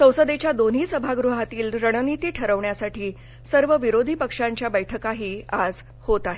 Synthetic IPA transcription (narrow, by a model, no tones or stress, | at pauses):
sə̃w̃səd̪et͡ɕjad̪on̤iːsəbʱaɡɾuɦat̪iːlɾəɽ̃ənit̪iːʈʰəɾəʋɳjasaʈiː | səɾʋəʋiɾod̪ʱiːpəkʂaɲt͡ɕjabəjʈʰəkaɦiːad͡z | hot̪aɦe